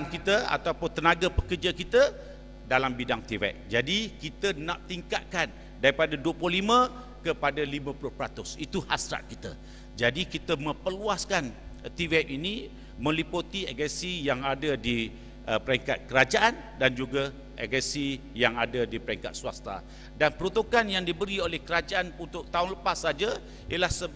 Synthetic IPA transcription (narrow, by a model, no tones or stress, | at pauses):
ŋkit̪əa̰t̪aupʊnt̪ənãɡapəkərd͡ʒakit̪ə | dalambidaŋt̪ivɛ̰ʔ̚d͡ʒadikit̪ənaʔ̚t̪iŋkat̪̚kan | daɾipadaduəplʊhlimə̃ | kəpadalimə̃plʊhpəɾat̪ʊsit̪uhasɾa̰t̪̚kit̪ə̰ | d͡ʒadikit̪əmə̃pəluaskant̪ivɛpinĩ | mə̃liput̪ieɡənsijaŋadadi | əpəɾeŋkat̪̚kəɾad͡ʒaʔan | dand͡ʒuɡa | ʔḛɡəsi | jaŋadadipəɾɛŋka̰t̪̚suwa̰st̪a̰ | danpəɾut̪ukanjaŋdibəɾiolɛhkəɾad͡ʒaʔanunt̪ʊʔ̚t̪aʊnləpasːad͡ʒa | ijəlahsə